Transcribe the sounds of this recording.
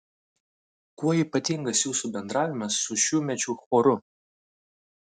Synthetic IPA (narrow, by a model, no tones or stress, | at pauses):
kuɔiːˑpɐt̪ʲiŋɡɐsjuːsubʲɛnd̪ɾɑːʋʲɪmɐsːʊʃʲuːmʲɛt͡ʃʲuːxoːɾʊ